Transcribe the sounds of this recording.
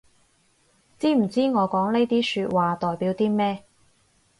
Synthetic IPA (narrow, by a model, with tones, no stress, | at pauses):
t͡siː˥m̩˨˩t͡siː˥ŋɔː˨˧kɔː˨˥ŋne˥jt̪iː˥syː˧t̚waː˨t̪ɔː˨˩jpiː˨˥wt̪iː˥mɛː˥